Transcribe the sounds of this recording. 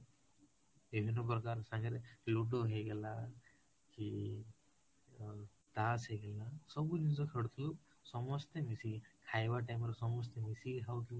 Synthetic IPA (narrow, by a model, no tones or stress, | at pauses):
ebʱinup̬ɾɔkaɾsaŋɡɾeluɖoɦejɡela | ki | t̪aːsɦejɡelasɔbud̪insokʰeɽt̪ʰulu | sɔmɔst̪emisikʰajʋaʈajmɾesɔmɔst̪emisiɡɦawt̪i